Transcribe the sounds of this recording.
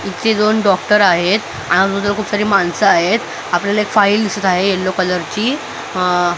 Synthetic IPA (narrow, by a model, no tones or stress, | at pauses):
it̪ːed͡z̪onɖɔkʈəɾaɦet̪ | a̰ɽiəd͡zut̪əkʰuːpsaɾiːmansəaɦet̪ | apljalaekfaild̪isət̪aɦejelːokələɾt͡ɕiː